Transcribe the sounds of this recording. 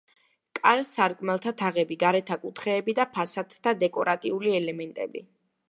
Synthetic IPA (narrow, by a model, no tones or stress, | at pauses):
kʼaɾsaɾkʼmɛlˠt̪ʰat̪ʰaʁɛbiɡaɾɛt̪ʰakʼut̪ʰχɛːbid̪apʰasat̪ʰt̪ʰːad̪ɛkʼɔɾat̪ʼiuliɛlɛmɛnt̪ʼɛ̰bḭ